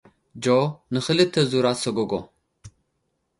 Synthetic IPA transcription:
d͡ʒonɨxɨlɨt̪ʰɐzuɾasɐɡoɡo̰

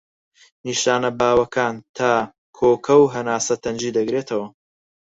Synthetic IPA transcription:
niːʃaːnɐbaːwɐkʰaːnt̪ʰaː | kʰoːkʰɐwɦɐnaːsɐt̪ʰɐnd͡ʒiːd̪ɐɡɾeːt̪ʰɐwɐ

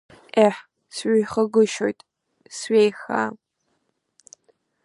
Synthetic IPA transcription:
ʔeħ | sɥijχɐɡʊʃo̰jtʼ | sɥʷejxa̰

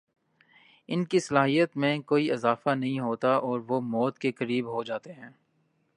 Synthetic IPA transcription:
ɪnkisɐlaːɦijət̪mẽkoːiɪzaːfanɐɦĩɦoːt̪aɔːɾʋomɔːt̪kekɐɾiːbɦod͡ʒaːt̪eɦɛ̃ː

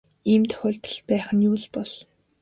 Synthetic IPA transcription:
iːmt̪ʰœ̥xʲʊːɮt̪ə̆t̪̚pæːχə̆njuːɮpɔɮ̥

